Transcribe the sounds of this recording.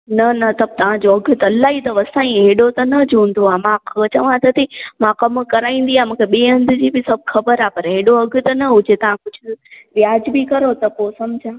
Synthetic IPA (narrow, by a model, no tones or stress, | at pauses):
nɐnɐt̪ɐb̚t̪ɐʋ̤ãd͡ʑoɐɡʱʊt̪ɐɐlaːɦit̪ɐʋɐsãːĩɦeːɗot̪ɐnɐd͡ʑũːn̆d̪oaːmãɐt͡ɕɐʋãt̪ʰɐt̪ʰimãkɐmkɐɾaːĩːn̆d̪iamũːkʰeɓiːɦɐ̃nd̪ʱʊ̆d͡ʑiːbɪsɐbʱxɐbəɾapɐɾɦeːɗoɐɡʱʊ̆t̪ɐnɐɦʊd͡ʑet̪ɐʋ̤ãkʊd͡ʑʱʊʋjaːd͡ʑbɪkɐɾot̪ɐposɐmd͡ʑʱãː